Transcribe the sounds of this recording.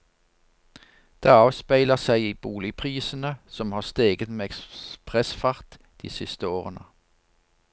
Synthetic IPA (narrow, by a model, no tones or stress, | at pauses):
d̪̥eːɑːʋspæɪləʁsæɪiːbuːlɪpʰʁiːsən̩əsɔmhɑːʁst̪eːɡət̪meːɛkspʁɛsfɑʁt̪ | d̪̥ḭːsɪst̪əoːʁənə̰